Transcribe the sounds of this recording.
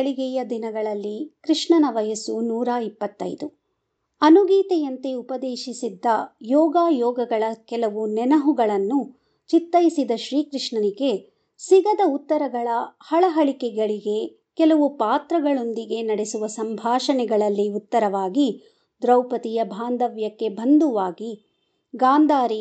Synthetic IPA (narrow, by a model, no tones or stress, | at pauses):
ɐɭiɡɛjɐd̪inɐɡɐɭɐlːikɾiʂɳɐnɐʋɐjɐsunuːɾaːipːɐt̪ːɐ̰jd̪u | ɐnuɡiːt̪ɛjɐnt̪eupɐd̪eːʃisid̪ːɐjɔːɡaːjɔːɡɐɡɐɭɐkɛlɐʋunɛnɐɦuɡɐɭɐnːu | t͡ʃit̪ːɐjisid̪ɐʃɾiːkɾɪʂɳɐniɡe̞ | siɡɐd̪ɐut̪ːɐɾɐɡɐɭɐhɐɭɐɦɐɭikɛɡɐɭiɡe̞ | kɛlɐʋupaːt̪ɾɐɡɐɭo̞nd̪iɡe̞nɐɽesuʋɐsɐmbʱaːʃɐnɛɡɐɭɐlːiut̪ːɐɾɐʋaːɡi | d̪ɾɐwpɐt̪ijɐbʱaːnd̪ɐʋjɐkːe̞bɐnd̪uʋaːɡi | ɡaːnd̪ʱaːɾi